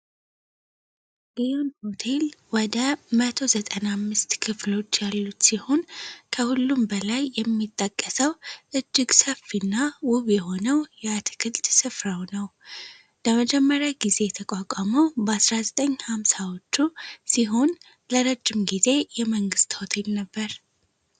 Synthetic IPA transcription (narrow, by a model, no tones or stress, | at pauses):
ɡionho̞t̪ʰe̞lwɔd̪əmət̪ʰo̞zət̪ʼənamːɨst̪kʰɨflo̞t͡ʃːjalːut̪sihonkʰəhulːumbəlajːɛmːit̪ʼːəkʼːəsəwʔɨd͡ʒːɪɡsəfːinːawʊβjɛho̞nəwjɛat̪ʰɨ̥kʰɨlt̪sɨfɾawnəw | ləməd͡ʒɛmːəɾjaɡize̞jt̪ʰəkʼakʷʼaməwbəasɾazət̪ʼəɲːhamsawo̞t͡ʃːusiɦun | ləɾəd͡ʒːɪmɡize̞jɛməŋɡɨst̪ho̞t̪ʰe̞lnəbːəɾ